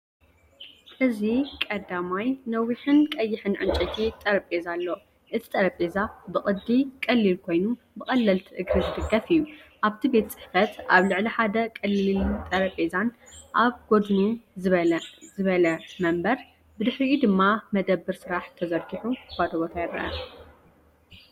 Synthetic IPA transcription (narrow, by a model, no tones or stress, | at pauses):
ʔɨzikʼɐd̪amajnɐwiħɨnkʼɐjːɪħɨnʕɨ̰nt͡ʃʼɐt̪ʰit̪ʼɐɾɐpʼezalːo | ʔɨt̪ʰi̥t̪ʼɐɾɐpʼezabɨχʼɨd̪ːikʼɐlːilkʰo̞jnu | bɨkʼɐlːɐlt̪ʰʔɨɡɾɨzɨd̪ɨɡːɐfɨjːuʔaβt̪ʰibe̞t̪t͡sʼɨ̥ħfɐt̪ʔaβlɨʕliħad̪ɐkʼɨlːilt̪ʼɐɾɐpʼezanʔaβɡ̥o̞d̪nu | zɨβɐlɐmɐmbɐɾ | bɨd̪ɨħɾiud̪ɨmːamɐd̪ɐbːɨɾsɨɾaħt̪ʰɐzɐɾkiħuɡad̪oβɐt̪ʰɐjɛɾɐɐ̰